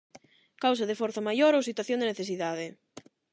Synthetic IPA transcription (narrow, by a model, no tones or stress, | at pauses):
kawsaðefoɾθamajoɾowsit̪waθjond̪eneθesiðaðe